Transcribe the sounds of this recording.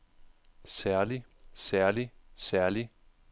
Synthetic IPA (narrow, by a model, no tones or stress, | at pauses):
sæɐlisæɐlisæɐli